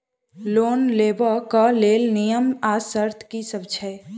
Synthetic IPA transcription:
loːnleːbəkaleːlnijəmasəɾt̪ʰkisəbt͡ʃʰə

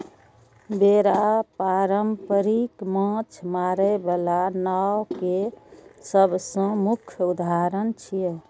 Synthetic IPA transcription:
beɾapaɾəmpəɾikmãt͡ʃʰmaɾəbalanawkesəbʱsə̃mukʰjud̪aɾənt͡ʃʰijə

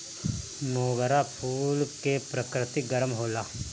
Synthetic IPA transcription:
moːɡəɾapʰuːlkepɾəkɾɪt̪iɡəɾəmɦoːlaː

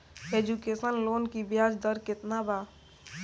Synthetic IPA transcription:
ed͡ʒukesənlonkibjad͡ʒd̪əɾket̪naba

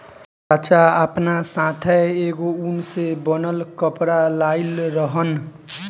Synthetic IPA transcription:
bat͡ʃaapnasãt̪ʰɛeɡounsebʌnəlkʌpɾalailɾʌɦən

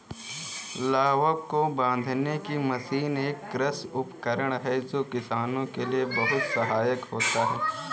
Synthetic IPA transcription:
laːʋəkkobãːn̆d̪ʱnekimɐsiːneːkːɾəsʊpkəɾəɽ̃ɦɛd͡ʒoːkɪsaːnõkeliebɐɦʊt̪sɐɦaːjəkɦoːt̪aɦɛː

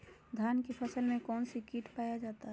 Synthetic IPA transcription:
d̪ʱjaːnkepʰəsəlmẽkɔːnsikiːʈpaːjad͡ʒaːt̪aɦɛ

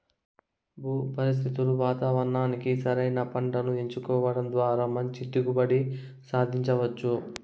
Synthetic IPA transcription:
buːpɐɾis̬t̪ʰit̪uluʋaːt̪aːʋɐɾɳaːnikisɐɾɐjnɐpɐɳɖɐnueɲt͡ʃukɔːʋɐɽɐmd̪ʋaːɾaːmɐɲt͡ʃid̪uɡubɐɽi | saːd̪ʱiɲt͡ʃɐʋɐt͡ʃːu

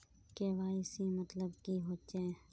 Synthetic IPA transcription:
keʋaːsimət̪ləbkiɦoːt͡ʃe

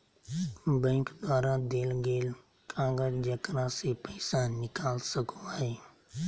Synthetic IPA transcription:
bɛ̃ːŋkd̪waːɾãd̪eːlɡeːl | kʰãːɡəd͡ʒd͡ʒəkɾãsepəɪsãːnɪkaːlsəkõaːɦeː

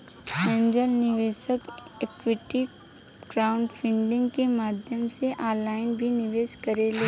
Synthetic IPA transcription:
ɛ̃ɲd͡ʒəlnɪʋeːʃəkekwɪʈi | ɡ̥ɾaʊ̃ɳɖfʰɪ̃ɳɖɪ̃ŋɡkemaːd̪ʱjəmseʔaːlaːɪnbʱinɪʋeːʃkɐɾeleː

